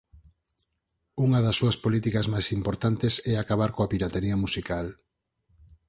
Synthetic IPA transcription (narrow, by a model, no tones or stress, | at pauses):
uŋɐðɐsːuɐspolit̪ikɐzmajsimpoɾt̪ant̪esɛakaβaɾkoapiɾat̪eɾiɐmusikal